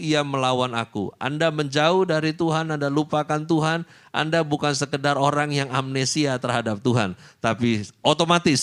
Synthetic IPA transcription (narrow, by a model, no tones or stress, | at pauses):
iaməlawanakṵa̰ndaməɲd͡ʒaʊhdaɾit̪uɦanandalupakant̪uɦan | ʔa̰ndabukansəkədaroɾaŋjaŋamnesiat̪ərhadap̚t̪uɦa̰nt̪apiot̪omat̪ɪs